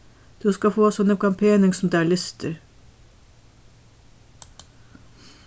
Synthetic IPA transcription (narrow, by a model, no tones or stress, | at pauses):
d̪̥ʉːskɑfoːsɔnəkɑmpʰeːnɪŋsɔmd̪eæːɭʏst̪ʰəɾ